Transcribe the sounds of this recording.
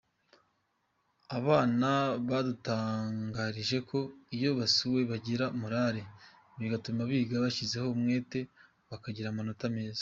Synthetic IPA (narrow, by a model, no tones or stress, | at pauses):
aβaːnaβadutaːŋɡaːɾiʒe̞ko̞ijo̞βasuwe̞βaɟiɾamuɾaɾe | βiɡatumaβiːɡaβaʃize̞ho̞mŋe̞ːte̞ | βakaɟiɾamonotame̞ːzḁ